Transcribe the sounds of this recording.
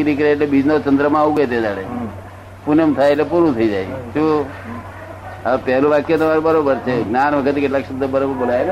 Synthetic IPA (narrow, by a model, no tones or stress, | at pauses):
ɾik̬əɾeːʈlebid͡ʒnot͡ʃənd̪ɾəmãaʋuɡet̪ed͡ʒaɽe | punəmt̪ʰajeʈlepuɾut̪ʰəid͡ʒajʃu | əpɛɦlũʋakjot̪ːmaɾubəɾobəɾt͡ʃʰeɡnanʋəkʰət̪ekɪʈlaːkt͡ʃənd̪bəɾobəɾbolaje